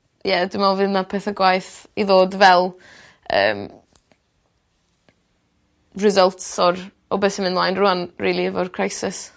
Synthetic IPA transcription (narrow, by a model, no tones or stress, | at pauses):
jɛdɪmalˠvɨnapʰɛθaɡwajθiðoːdvɛlˠ | ə̰ːm | rɪzəlˠtsɔɾ | ɔbeθəmɪnlajnrʊanriːlˠiəvɔrkʰrajsɪs